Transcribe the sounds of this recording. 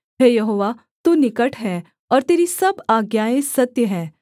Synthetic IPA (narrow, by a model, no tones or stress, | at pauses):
ɦeːjɐɦoːʋa | t̪uːnɪkəʈɦɛː | ɔːɾt̪eːɾisɐbaːɡjaːẽsɐt̪jəɦɛː